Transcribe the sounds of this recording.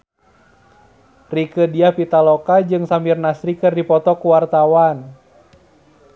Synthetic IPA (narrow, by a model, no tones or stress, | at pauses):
rikədiahpit̪alɔkad͡ʒɨŋsamirnasɾikɨrdipɔt̪ɔkuwart̪awan